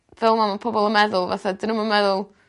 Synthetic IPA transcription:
vɛlˠmamapʰɔbɔlˠəmɛðʊlˠva̰θadɪnəmamɛðʊlˠ

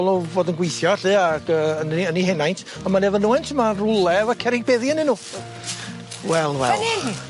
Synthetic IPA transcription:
lˠɔvoːdənɡwejθjɔɬɨːaɡəənəniɦɛnajntʰ | ɔnmanɛvənuːɛntʰəmarʊlˠɛvakʰɛɾɪɡ̚bɛðjanɨnuː | wɛlˠwɛ̰lˠ

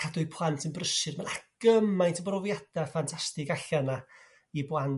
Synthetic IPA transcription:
kʰadʊɨpʰlˠantʰənbrəʃɨrmanaɡ̥əmajntʰəbrɔvjad̥afantʰastɪɡaɬana | ibwan

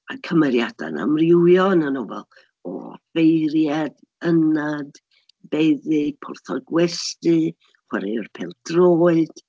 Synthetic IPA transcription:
akʰəmɛɾjad̥a̰na̰mrɪwjɔnanɔvɛ̰lˠ | ɔ̰ːfejɾjad | ənad | b̥ejðɨpʰʊrθɔ̰ɡwɛstɨ | χwɛɾirpʰeːlˠd̥roːɨd̥

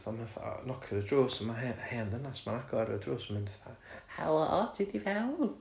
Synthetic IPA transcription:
θɔnhaθɔ̰nɔkʰɪɾədruːsəmaɛhɛːndənasmanaɡɔɾə̰druːsəmɪndaθa̰hɛ̰lˠɔtʰidivɛwl

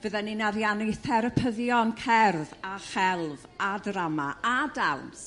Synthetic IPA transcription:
b̥əðɛninaɾjaniθɛɾəpʰəðjɔnkʰɛrvaχɛlˠvadramaadawns

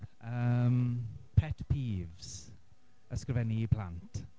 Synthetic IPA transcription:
əmpʰɛtpʰiːvz̥ | əskrvɛniːpʰl̥a̰ntʰ

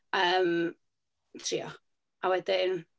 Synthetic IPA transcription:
əːm | tʰɾiːɔ̰ | ʔawɛdɪn

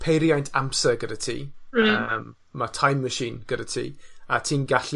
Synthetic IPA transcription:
pʰejɾjajntʰampsəɡədətʰḭːəmː | atʰajmːəʃiːnɡ̥ədətʰḭːatʰiːnɡaɬ

